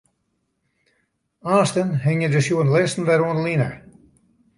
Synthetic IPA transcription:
aːstənɦɪŋjədəsjuənlɪstn̩dɛɾuəndəlinə̰

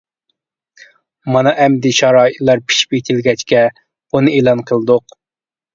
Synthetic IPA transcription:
mɑnɑʔɛmd̪ɪʃɑɾɑːit̪lˠɑɾpʰi̥ʃi̥pet̪ʰɪlɡʲɛt͡ʃkʲɛ̥ | unɨeːlˠɑnqʰəlˠɨd̪ʊq

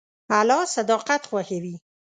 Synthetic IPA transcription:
alɑsad̪ɑqat̪xwaxawi

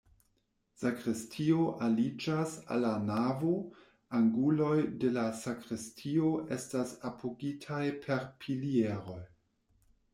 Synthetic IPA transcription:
sakɾistʰio̞ʔalid͡ʒasa̰lanavo | aŋɡulo̞jde̞lasakɾistʰio̞ʔe̞stasapʰoɡitʰajpʰe̞ɾpʰilieɾo̞j

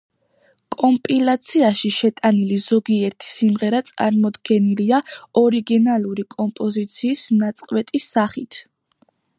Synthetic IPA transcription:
kʼɔmpʼilˠat̪sʰiaʃiʃɛt̪ʼanilizɔɡiɛɾt̪ʰi̥simʁɛɾat̪sʼa̰ɾmɔd̪ɡɛniliaɔɾiɡinalˠuɾikʼɔmpʼɔzit̪sʰiːsnat̪sʼqʼwɛt̪ʼisːaχit̪ʰ

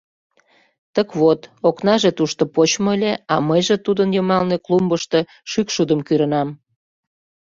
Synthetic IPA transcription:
t̪əkβot̪oknɑʒet̪uʃt̪opot͡ɕmoəlʲeɑməjʒet̪ud̪ənjəmɑlneklumbəʃt̪ɤ̽ | ʃykʃud̪əmkyɾə̆nɑm

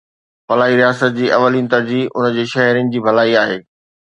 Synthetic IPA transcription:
fɐlaːiɾijaːsət̪̚d͡ʑiːʔɐʋəliːnɪ̆t̪ɐɾd͡ʑiːɦʊnd͡ʑeːʃɐɦɾɪnɪ̆d͡ʑiːbʱɐlaːiaːɦeː

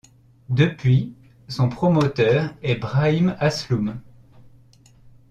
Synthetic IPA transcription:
d̪əpɥi | sɔ̃pχɔmɔt̪œːʁɛbʁaimaslum

